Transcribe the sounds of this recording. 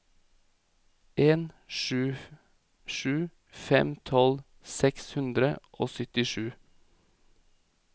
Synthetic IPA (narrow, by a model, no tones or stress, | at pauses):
ʔeːnʃʉː | ʃʉː | fɛmt̪ʰɔl | sɛkshʉnd̪ɾəʔoːsʏt̪ɪʃʉː